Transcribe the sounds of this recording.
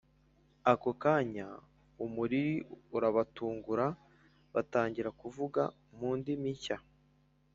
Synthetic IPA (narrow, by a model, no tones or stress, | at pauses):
akokaɲa | umuɾiɾiuɾaβatuːŋɡuɾa | βataːɲɟiɾakuvuɡa̰ | muːndimiɲça